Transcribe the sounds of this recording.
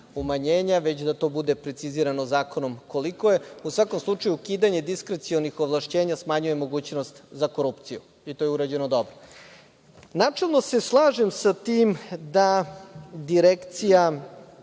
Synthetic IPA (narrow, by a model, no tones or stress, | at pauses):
umaɲeːɲaʋe̞t͡ɕd̪at̪o̞ːbud̪e̞pɾe̞t̪siziːɾanozaːkono̞mko̞liko̞je̞usʋako̞mslˠut͡ʂajukiːd̪aɲe̞d̪iskɾet̪sionixo̞ʋlˠaʃt͡ɕe̞ːɲasmaɲuje̞mo̞ɡuːt͡ɕno̞st̪zako̞ɾupt̪siju | it̪ojeuɾad͡ʑe̞nod̪o̞bɾo | naːt͡ʂelˠno̞se̞slˠaːʒemsat̪iːmd̪a | d̪iɾekt̪sija